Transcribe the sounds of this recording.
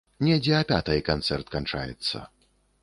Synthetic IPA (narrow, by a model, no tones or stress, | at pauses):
nʲɛd͡zʲɛɐpʲat̪ɐjkant̪sɛrt̪kant͡ʂa̰jɛ̰t̪sːɐ̰